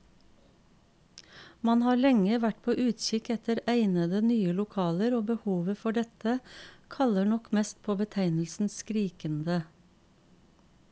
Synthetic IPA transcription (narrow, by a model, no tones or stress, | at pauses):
mɑnhɑːlɛŋəʋæʈpʰoːʔʉːt̪ʃɪkɛt̪əɾæɪnəd̪ənyːəlʊkʰɑːləɾoːbəhuːʋəfɔɖɛt̪əkʰɑləɳɔkmɛːst̪̚pʰoːbət̪ʰæɪnl̩sn̩sskɾiːkənd̪ə